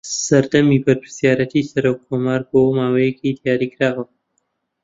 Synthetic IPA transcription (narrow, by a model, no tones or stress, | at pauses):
sɐɾd̪ɐmiːbɐɾpʰɾɨ̥sjaːɾɐt̪ʰisɐɾoːkʰːoːmaːɾboːmaːwɐjekiːd̪ijaːɾiːkɾaːwɐ